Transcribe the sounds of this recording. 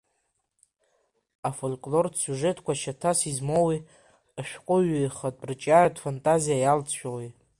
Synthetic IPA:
afolkʼlo̞rdʰsuʐetʰkʷaʃatʰasizmowi | aʃᶣqʷʼʊɥeχatʼrɨt͡ʃʼaradfantʼazijajalt͡sʰʃᶣawej

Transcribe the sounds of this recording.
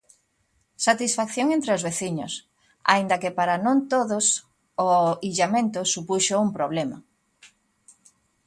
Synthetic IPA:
sat̪isfakθjoŋẽnt̪ɾeozβeθiɲos | a̰ind̪ɐkepaɾanõnt̪oðʊs | oiʎamẽnt̪osupuʃoumpɾoβ̞lema

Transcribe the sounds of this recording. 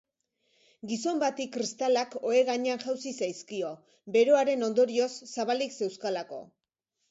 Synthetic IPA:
ɡiso̞mbat̪ikːɾist̪alako̞e̞ɣaɲe̞anʝawsisajskio̞ | be̞ɾo̞aɾe̞no̞nd̪o̞ɾio̞sːaβalikse̞wskalako̞̰

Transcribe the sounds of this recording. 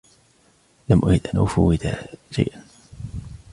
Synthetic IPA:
lamʔʊhɪd̪ʔanʔʊ̰fʊwːɪd̪a̰ʃa̰jʔan

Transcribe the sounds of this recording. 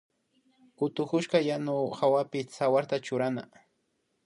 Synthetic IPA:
kʊt̪ʊkʊʃkajanʊxawapɪsawaɾt̪at͡ʃʊɾana̰

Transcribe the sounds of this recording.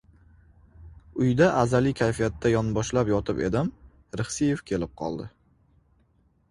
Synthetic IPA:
ʊjd̪aʔazalɪkʲʰajfijat̪ːajɒnbɒʃlapjɒt̪ʰɪpḛd̪ɪm | ɾɪχsijefkʲʰe̞lɪp̚qʰɒ̰lˠd̪ɪ

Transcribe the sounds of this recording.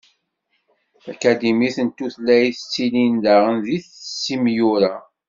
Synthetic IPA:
ækæd̪imiθənt̪ːuθlːæjθət͡sːilind̪æʁənðiθsːimjuɾa

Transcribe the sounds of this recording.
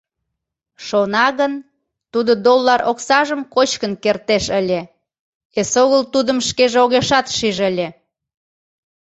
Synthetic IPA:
ʃonɑɣən | t̪ud̪od̪olːɑɾʔoksɑʒəmkot͡ɕkənkert̪eʃəlʲe | esoɣəlt̪ud̪əmʃkeʒeoɣeʃɑt̪ʃiʒəlʲe

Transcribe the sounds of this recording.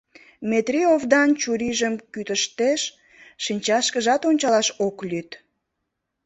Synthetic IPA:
met̪ɾiovd̪ɑnt͡ɕuɾiʒəmkyt̪əʃt̪eʃ | ʃinʲt͡ɕɑʃkəʒɑt̪onʲt͡ɕɑlɑʃoklyt̪

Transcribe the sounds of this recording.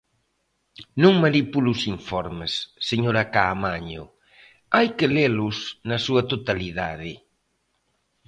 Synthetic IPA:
nũŋmanipulusiɱfɔɾmesːeɲoɾakaːmaɲo̰ | ajkelelusnɐsuɐt̪ot̪aliða̰ðɪ

